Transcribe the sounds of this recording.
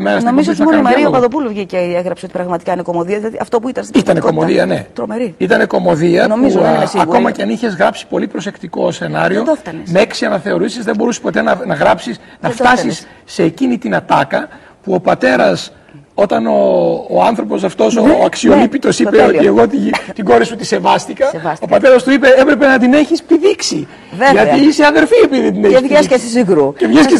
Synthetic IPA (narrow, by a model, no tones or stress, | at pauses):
meɐsomizosnɐoɐnɐɾiopɐðopuluvʝiceeɣɾɐpseot̪i̥pɾɐɣmɐt̪i̥kɐinekomoðiɐðilɐðiɐft̪opuit̪ɐnst̪iit̪ɐneko̞moðiɐne̞t̪ɾomeɾiit̪ɐne̞ko̞mo̞ðiɐnomizsɐko̞mɐceɐniçe̞zɣɾɐpsi̥po̞lipɾo̞se̞kt̪iko̞se̞nɐɾio̞oft̪ɐnemeeksiɐnɐθe̞o̞ɾisizðembo̞ɾusi̥po̞t̪e̞nɐnɐɣɾɐpsisnɐft̪ɐsisː | e̞ːcinit̪inɐt̪ɐkɐ | puo̞pɐt̪e̞ɾɐs | o̞t̪ɐnoːɐnθɾo̞po̞s̬ɐft̪o̞soɐksiolipit̪o̞sipeo̞t̪ieɣo̞t̪it̪iɡo̞ɾisut̪ise̞vɐst̪ikɐopɐt̪e̞ɾɐst̪uipe̞epɾe̞pe̞nɐt̪ine̞çispiðiksi | ʝɐtt̪iiseɐðe̞ɾfiepiðiðend̪ineçɐsesesiɡɾucevʝɐske